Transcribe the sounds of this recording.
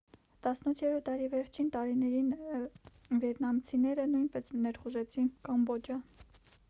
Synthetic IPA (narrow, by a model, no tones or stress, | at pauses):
t̪ɑsnut̪ʰjɛɾɔɑɾivɛɾt͡ʃʰint̪ɑɾinɛɾin | vɛɾnɑmt͡sʰinɛɾənujnpɛsnɛɾχuʒɛt͡sʰinkɑmbɔd͡ʒɑ